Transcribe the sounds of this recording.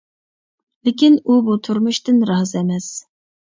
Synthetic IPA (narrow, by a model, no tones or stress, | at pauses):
lɪkʲinubut̪ʰuɾmuʃt̪ɪnɾɑːzɛmɛs